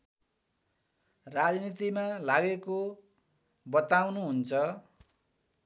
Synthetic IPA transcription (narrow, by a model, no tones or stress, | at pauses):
rad͡znit̪imalaɡeko | bʌt̪awnuɦunt͡sʰʌ